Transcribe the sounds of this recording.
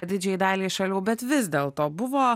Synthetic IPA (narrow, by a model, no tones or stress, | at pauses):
d̪ʲɪd͡ʒʲɛɪd̪ɑːlʲiːʃɐlʲuːbʲɛt̪ʋʲɪzd̪ʲeːlˠt̪oːbʊʋoː